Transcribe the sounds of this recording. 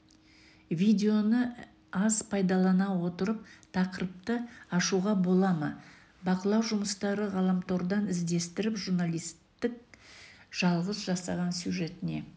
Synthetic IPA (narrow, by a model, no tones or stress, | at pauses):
vʲijd̪ʲe̞o̞nə | ɑzpʰɑjd̪ɑlˠɑnɑwo̞t̪əɾəp̚t̪ʰɑqəɾəp̚t̪əɑʃuʁɑbo̞lˠɑmə | bɑqəlˠɑwʒʊməst̪ɑɾəʁɑlˠɑmt̪ʰoɾd̪ɑnɪzd̪e̞st̪ɪɾɪpʒuɾnalˠijst̪t̪ːɪk̚ | ʒ̥ɑlˠʁəzʒɑsɑʁɑnsjuʒe̞t̪ɪne̞̰